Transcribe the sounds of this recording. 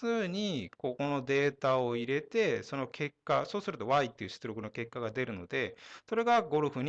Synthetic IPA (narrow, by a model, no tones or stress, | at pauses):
ɨːɲ̟iko̞ko̞no̞d̪e̞ːt̪ao̞iɾe̞t̪e̞so̞no̞kʰe̞kːaso̞ːsɨɾɯt̪o̞βait̪ːe̞iɯ̟ɕi̥t͡sɨɾo̞kɯ̟noke̞kːaɡad̪e̞ɾɯ̟no̞̰d̪e̞so̞ɾe̞ɡaɡo̞ɾɯ̟ɸɯ̟ɲ̟